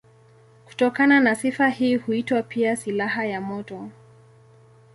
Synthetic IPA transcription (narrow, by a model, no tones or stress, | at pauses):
ku̥tɔkananasifahiːhuitwapiasilahajamɔtɔ